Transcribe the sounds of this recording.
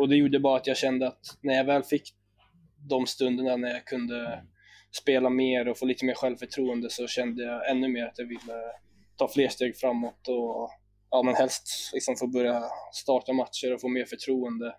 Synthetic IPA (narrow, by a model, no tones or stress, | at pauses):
ɔd̪ɛjuːɖəbɑːɾat̪jɑːɡɕɛnd̪əat̪næɾjavɛːlfɪkː | d̪ɔmst̪ɵnd̪əɳanæɾjakʰɵnd̪ə | speːlameːɾɔfoːliːt̪əmeːɾɧɛlvfœʈʰɾuːənd̪əsɔɕɛnd̪əjaɡɛnːɵmeːɾat̪javɪlːə | t̪ʰɑːfleːʂt̪eːɡfɾamːɔt̪ɔ | ɑːmɛnhɛlst̪lɪksɔmfobœɾjast̪ɑːʈamat̪ʂəɾɔfoːmeːɾfœʈʰɾuːənd̪ə